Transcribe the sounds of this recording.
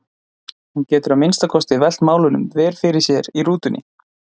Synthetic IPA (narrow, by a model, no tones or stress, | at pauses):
huncɛːt̪ʏɾamɪnst̪akʰɔst̪ɪvɛl̥t̪maːwlʏnʏ̰mvɛːɾ̥fɪɾɪ̥sjɛɾiɾuːt̪ʏnʔɪ̰